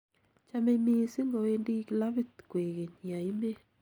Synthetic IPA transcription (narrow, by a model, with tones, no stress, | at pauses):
t͡ʃa˦me˦mi˦si˦ŋɡo˨e˦ndi˦kla˦βɪ˦t̪kwe˨ɣe˨ɲi˨a˨i˦me˦